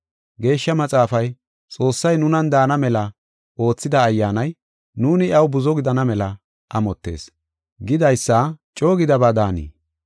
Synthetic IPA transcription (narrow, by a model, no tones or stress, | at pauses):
ɡe̞ːʃːɐmɐt͡sʼaːfɐj | t͡sʼo̞ːsːɐjnʊnɐnd̪aːnɐmɛlɐ | o̞ːt͡sːɪd̪ɐːjːaːnɐj | nuːnɪɐwbʊzɔɡɪd̪ɐnɐmɛlɐ | ʔɐmɔt̪ːe̞̰ːs | ɡɪd̪ɐjsːat͡ʃʼo̞ːɡɪd̪ɐbaːd̪aːnḭː